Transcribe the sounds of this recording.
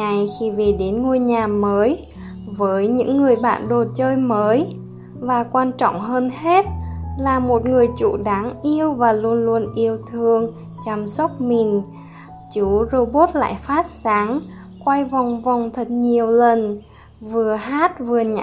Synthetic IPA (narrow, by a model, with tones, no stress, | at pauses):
a˨˩jxi˧ve˨˩ɗe˨˦nŋu˧jɲaː˨˩məː˨˦j | vəː˨˦jɲɨ̰˧˥ŋːɨ˨˩əjɓa̰ː˧˨nɗo˨˩t̚t͡ɕəː˧jməː˨˦j | vaː˨˩kwaː˧nt͡ɕɔ̰˧˨wŋ͡mɦəː˧nhe˦˥t̚laː˨˩mo˨˩t̚ŋɨ˨˩əjt͡ɕṵ˧˩ɗaː˨˦ŋʔi˧əwvaː˨˩lu˧ənlu˧ənʔi˧əwt̪ʰɨ˧əŋ | t͡ɕa˧msə˦˥t̚mi˨˩n | t͡ɕu˧˦zo˧ɓo˦˥t̚la̰ː˧˨jfaː˦˥t̚saː˨˦ŋ | kwa˧jva˨˩wŋ͡mvɔ˨˩wŋ͡mt̪ʰi˨˩t̚ɲi˨˩əwlə˨˩n | vɨ˨˩əɦaː˦˥t̚vɨ˨˩əɲa̰˧